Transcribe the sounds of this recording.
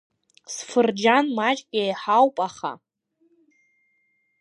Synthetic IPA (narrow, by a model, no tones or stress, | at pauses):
sfɨrd͡ʒanmat͡ʃʼɡʲʼajħawpʼaχa̰